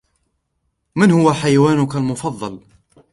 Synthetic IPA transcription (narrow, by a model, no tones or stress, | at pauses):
mɪnhʊwaħajwaːnʊkalmʊfɑðˤːɑl